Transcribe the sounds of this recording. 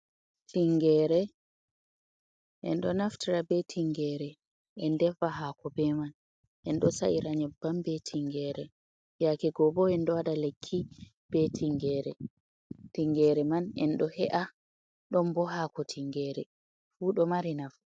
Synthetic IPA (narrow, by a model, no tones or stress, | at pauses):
tʰiŋɡɛːɾɛ | ʔɛ̰nɗɔnaftʰiɾabɛtʰiŋɡɛɾɛ | ɛndɛfaɦakɔbɛman | ʔɛnɗɔsa̰ʔiɾaɲɛbambɛtʰiŋɡɛːɾɛ | jakɛɡɔbɔɛnɗɔwaɗalekʰːi | b̥ɛtʰiŋɡɛɾɛ | tiŋɡɛɾɛmanɛ̰nɗɔhɛʔa | ɗɔmbɔɦakɔtʰiŋɡɛːɾɛ̰ | fuːɗɔmaɾinaf